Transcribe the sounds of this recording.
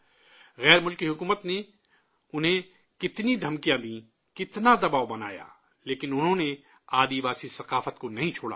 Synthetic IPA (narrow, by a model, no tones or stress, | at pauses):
ɣɛːɾmʊlkiɦʊkuːmət̪ne | ʊnɦẽ | kɪt̪nid̪ʱɐmkijãd̪ĩː | kɪt̪nad̪ɐbaːobɐna̰ːja̰ː | leːkɪnʊnɦõːne | aːd̪iʋaːsisɐqaːfət̪konɐɦĩt͡ʃʰoːɽa̰ː